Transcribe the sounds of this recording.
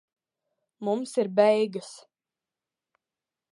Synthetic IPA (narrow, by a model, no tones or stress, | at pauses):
mumsiɾbɛjɡɨs